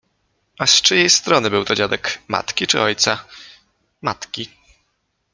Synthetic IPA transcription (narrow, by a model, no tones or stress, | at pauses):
astʂɘjejst̪ɾɔnɘbɘwt̪ɔd͡ʑad̪ɛkma̰t̪kʲit͡ʂɘ̰ɔjt̪sa | mat̪kʲi